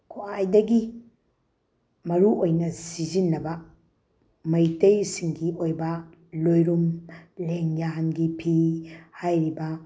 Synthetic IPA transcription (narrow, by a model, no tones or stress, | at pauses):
kʰoajdɐɡi | mɐɾuʔojnɐsizinːɐbɐ | mɐjtɐjsiŋɡiʔojbɐ | lojɾumleŋjaɦɐnɡipʰihajɾibɐ